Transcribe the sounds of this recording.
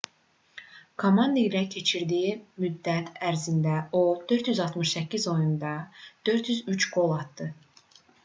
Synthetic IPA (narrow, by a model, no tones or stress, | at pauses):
kʰomɑnd̪ailæcʰe̞t͡ʃʰiɾd̪ijimyd̪ːæt̪ʰæɾzind̪æod̪̥ø̞ɾt̪jyzɑlˠt̪mɯʃsæcʰːizo̞jund̪ɑd̪̥ø̞ɾt̪ʰjyzyt͡ʃɡo̞lˠɑt̪̚d̪̥ɯ